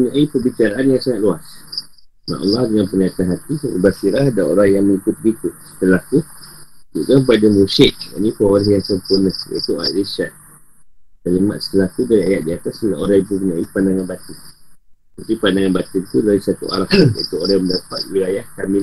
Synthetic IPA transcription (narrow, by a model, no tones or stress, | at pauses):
uɲaʔipəbit͡ʃaɾaʔanjaŋsaŋat̪̚luas | na̰ʔɔ̰lːɑhdəŋanpəniat̪anɦat̪ḭbasiɾahdao̰ɾahjaŋməŋikʊt̪̚bikʊsə̥t̪əlaht̪ud͡ʒ̪ṵʔkampadəmusɪʔ̚ja̰ʔnĩpəoɾəɦjaŋsəmpurnəhjə̰t̪ua̰a̰ʔlesan | k̪alima̰t̪̚sə̥t̪əlaht̪udaɾiajaʔ̪̚diat̪asəlao̰ɾaibuəɲaʔipandaŋanbat̪iŋ | t̪apipandaŋanbat̪imt̪udaɾisat̪ṵʔa̰ɾahṵnt̪ʊʔkoɾahjãməndapat̪̚wilajahkami